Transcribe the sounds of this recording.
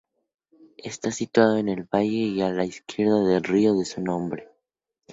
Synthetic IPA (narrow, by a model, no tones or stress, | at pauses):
est̪asit̪wað̞o̞ene̞lβaʝe̞ialaiskje̞ɾðaðelrio̞ðe̞sunõ̞mbɾe